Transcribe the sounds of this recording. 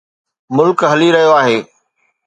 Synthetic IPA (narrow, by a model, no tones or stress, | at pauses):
mʊlkɦɐliɾɐɦijoaːɦeː